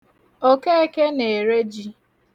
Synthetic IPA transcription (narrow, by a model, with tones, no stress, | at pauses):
o˦ke˦e˦ke˦ne˨e˨ɾe˦d͡ʒi˦